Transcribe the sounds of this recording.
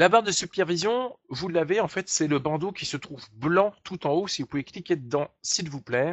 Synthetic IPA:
labaʁd̪əsypɛʁvizjɔ̃vulːaveɑ̃fɛt̪sɛləbɑ̃d̪okʲisət̪χuvblɑ̃t̪ut̪ɑ̃osivupuveklikʲed̪əd̪ɑ̃silvuplɛːʁ

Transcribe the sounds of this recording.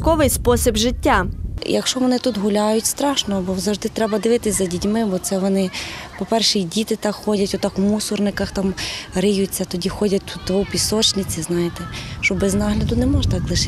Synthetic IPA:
kɔʋɪjspɔsʲibʒɪtʲːajɐkʃt͡ʃɔʋɔnɪt̪ut̪ɦʊlʲajʊtʲst̪ɾɑʃnɔbɔwzɐʒd̪ɪt̪ɾɛbɐd̪ɪʋɪt̪ɪsʲzɐdʲitʲmɪbɔt̪sɛʋɔnɪpɔpɛrʃɛidʲit̪ɪt̪ɑkxɔdʲɐtʲʊt̪ɑkwmusʊrnɪkɐxt̪ɑmɾɪjʊt͡sʲːɐt̪ɔdʲixɔdʲɐt̚ʲt̪ut̪̚d̪ʋɔwpʲisɔt͡ʃnɪt͡sʲiznɑjɪt̪ɛʃt͡ʃɔbɛznɑɦlʲɐd̪ʊnɛmɔʒɐt̪ɑklˠɪʃɪ

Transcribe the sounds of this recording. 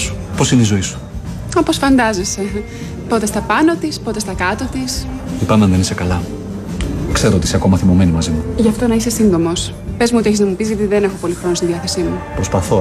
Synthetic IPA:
su̥po̞sineizo̞isu̥ | ɐposfɐnd̪ɐzese̞ | po̞t̪e̞st̪ɐpɐnot̪ispo̞t̪est̪ɐkɐt̪o̞t̪is | ipɐmeɐnðe̞nisekɐlɐ | kse̞ɾoot̪iiseko̞mɐθimo̞me̞nimɐzimuʝɐft̪o̞nɐise̞sind̪o̞mos | pe̞zmuot̪ieçiznɐmupizʝɐt̪iðene̞xo̞po̞lixɾo̞nost̪inðiɐθesimupɾo̞spɐθo

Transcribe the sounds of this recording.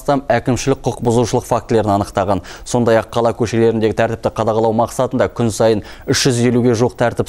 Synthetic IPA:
st̪ɑmækʲɪmʃɪlɪk̚ʲqʰʊqbʊzuʃəlˠəqfakt̪le̞ɾɪnɑnəqt̪ɑʁɑnso̞nd̪ɑjɑqʰːɑlˠɑkʲʰɵʃe̞le̞ɾɪnd̪e̞ɡʲɪt̪ʰæɾt̪ɪp̚t̪ɪqʰɑd̪ɑʁɑlˠɑwmɑqsɑt̪ənd̪ɑkʲʰʏnsɑjən | ʏʃʒ̥ʏze̞luɡʲe̞ʒuwəqt̪ʰæɾt̪ɪp

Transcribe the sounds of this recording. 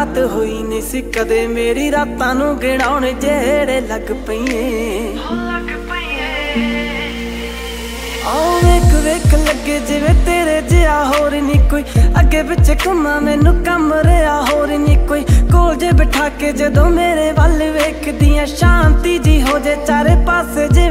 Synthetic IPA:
t̪ɦoiːnĩːsiːkəd̪eːmeːɾiːɾaːt̪ãːnũːɡeːɽ̃aːʊneːd͡ʒɛːɽeːləɡpəĩːeː | ɔːoeːkʋeːkʰləɡeːd͡ʒɪʋẽːt̪eːɾeːd͡ʒeaːɦoːɾiːniːkoːiːəɡːeːbɪtʃeːkʊmãːmɛːnũːkəmɾeaːɦoːɾiːniːkoːiːkoːld͡ʒeːbɪʈʰaːkeːd͡ʒəd̪õːmeːɾeːʋaːleʋeːkʰd̪ɪjãːʃãːnt̪iːd͡ʒiːɦoːd͡ʒeːt͡ʃaːɾeːpaːseːd͡ʒɪ

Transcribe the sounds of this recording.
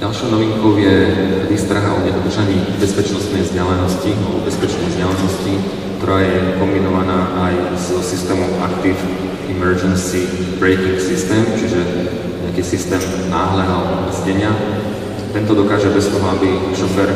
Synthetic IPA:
ɟalʃɔʊnɔʋiŋkɔʊjɛt̪ɛd̪ist̪ɾ̩ɦaɔɲɛd̪ɔd̪r̩ʒaɲiːbɛspɛt͡ʃnɔst̪nɛjvzɟɛlɛnɔscialɛbɔ̰bɛspɛt͡ʃnɛjzɟɛlɛnɔsci | kt̪ɔɾaːjɛkɔmbinɔʋanaːʔajzsist̪ɛːmuʔa̰kt̪if | imɛɾd͡ʒɛnsibɾɛɪkiŋksist̪ɛːmt͡ʃiʒɛ | ɲɛakiːsist̪ɛːm | naːɦlɛːɦɔmɛzɲɛɲɪa | t̪ɛnt̪ɔd̪ɔkaːʒɛbɛst̪ɔɦɔabiʃɔfɛɾ

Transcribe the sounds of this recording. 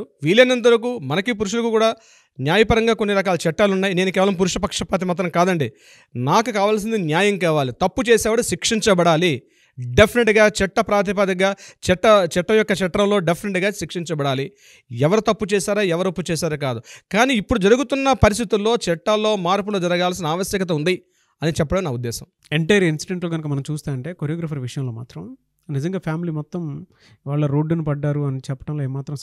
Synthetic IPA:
ʋiːlenɐnd̪ɐɾɐk̬uːmɐnɐkip̬uɾuʂ̬ulɐkukuːɽaː | njaːjɐpɐɾɐŋɡaːkonːiɾɐkaːlɐt͡ʃɛʈːaːlunːaːjineːnukɛːʋɐlɐmp̬uɾuʂɐpɐkʂɐpaːt̪̬imaːt̪̬ɾɐmkaːd̪ɐɳɖi | naːkukaːʋaːls̬ind̪injaːjɐŋkaːʋaːlit̪ɐpːut͡ʃɛːsɛːʋɐɽuʃikʂiɲt͡ʃɐbɐɽaːli | ɖepʰineʈɡaːt͡ʃɛʈːɐpɾaːt̪ip̬ɐd̪ɐɡaːt͡ʃɛʈːɐt͡ʃɛʈːɐjɔkːɐt͡ʃɛʈːɾɐmloːɖepʰineʈɡaːʃikʂiɲt͡ʃɐbɐɽaːli | ɛʋɐɾut̪ɐpːut͡ʃɛːsaːɾaːɛʋɐɾɐpːut͡ʃɛːsaːɾɐk̬aːd̪ukaːniːpːuɽud͡ʒɐɾuɡut̪unːɐpɐɾis̬t̪ʰit̪ulːo̞ːt͡ʃɛʈːɐlːo̞ːmaːɾpulud͡ʒɐɾɐɡaːls̬inɐaːʋɐsjɐkɐt̪̬ɐund̪i | ɐnit͡ʃɛpːɐɽɐnaːud̪ːɛːsɐm | eɳʈɐjɐɾinsiɖeɳʈloːɡɐnukɐmɐnɐmt͡ʃuːst̪aːnɐɳʈeːkoɾijɐːɡɾaːpɐɾʋiʂɐjɐmlo̞ːma̰ːt̪ɾɐm | nizɐŋɡaːpʰjaːmilimɔt̪ːɐm | iʋaːɭːɐɾoːɖunipɐɖːaːɾuɐnit͡ʃɛpːɐ̥ʈɐmloeːmːaːt̪ɾɐm

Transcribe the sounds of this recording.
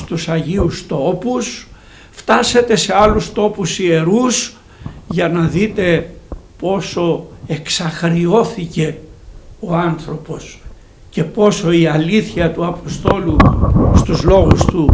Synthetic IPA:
st̪usɐʝiust̪o̞pus | ft̪ɐse̞t̪e̞se̞ɐlust̪o̞pusie̞ɾus | ʝɐnɐðit̪e̞po̞so̞e̞ksɐxɾio̞θice̞ | oɐnθɾo̞po̞s | ce̞po̞so̞iɐliθçɐt̪uɐpo̞st̪o̞lust̪uzlo̞ɣust̪u

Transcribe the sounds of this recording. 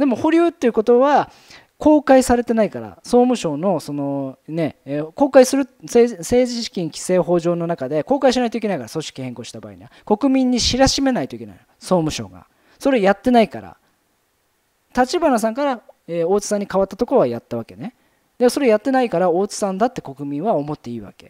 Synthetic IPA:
d̪e̞mo̞hoɾʲɯːt̪ːe̞iɯ̟ko̞t̪o̞βa | ko̞ːkaisaɾe̞t̪e̞naikaɾa̰so̞ːmɯ̟ɕo̞ːno̞so̞no̞ne̞ko̞ːkaisɨɾɯ̟sese̞ːʑiɕi̥kʲĩŋkʲi̥se̞ːɦo̞ːʑo̞ːno̞nakad̪e̞ko̞ːkaiɕinait̪oikenaikaɾaso̞ɕi̥kʲihẽ̞ŋko̞ːɕi̥t̪aba̰ːḭɲ̟iβako̞kɯ̟mʲĩɲ̟ːiɕiɾaɕime̞nait̪oikena̰inoso̞ːmɯ̟ɕo̞̰ːɡa̰ | so̞ɾe̞jat̪ːe̞naikaɾa̰ | t̪at͡ɕibanas̬ãŋkaɾaeo̞ːt͡sɨ̥sãɲ̟ːikaβat̪ːat̪o̞koɾoajat̪ːaβake̞ne | d̪̥emso̞ɾe̞jat̪ːe̞naikaɾao̞ːt͡sɨ̥sãnd̪at̪ːe̞̥ko̞kɯ̟mʲĩɰ̃βao̞mo̞t̪ːe̞iːβa̰ke̞̥̰

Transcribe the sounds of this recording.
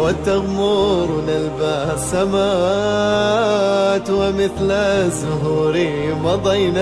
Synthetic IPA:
wat̪ːaɣmuːɾnalbaːsamaː | t̪wamɪθlazʊɦuːɾɪ | mɑd̪ˤɑjna

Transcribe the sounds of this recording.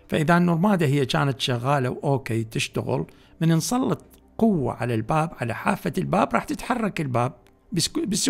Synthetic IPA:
faʔɪðanːʊɾˤmaːd̪aɦɪjːat͡ʃa̰ːnat̪ʃaɣːaːla̰wʔoːkeːt̪ɪʃt̪a̰ɣɪ̰l | mɪnɪnsˤɑlːɨt̪̚ˤ | qʊwːa̰ʕa̰lalbaːbʕala̰ħaːfːalbaːbɾˤɑːħt̪ɪt̪ħɑrˤːɑkɪlbaːb̚ | bɪs

